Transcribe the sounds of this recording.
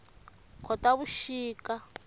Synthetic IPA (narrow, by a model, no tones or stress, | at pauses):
kʰɔtaβuʃiːka